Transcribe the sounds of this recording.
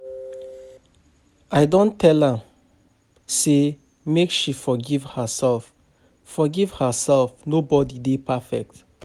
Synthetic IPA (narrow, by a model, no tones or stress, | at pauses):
aɪdõntʰɛlhə | se | mekʃifɔɡivhəsɛlf | fɔɡiv̥həsɛlfnobɔdidepʰafɛ̰k̚t